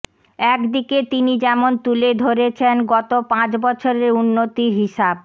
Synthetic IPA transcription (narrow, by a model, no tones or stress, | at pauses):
ɛkd̪iket̪inid͡ʑɛmont̪uled̪ʱoɾet͡ɕʰenɡɔt̪opãt͡ɕbɔt͡ɕʰoɾeɾunːot̪iɾɦiʃab̚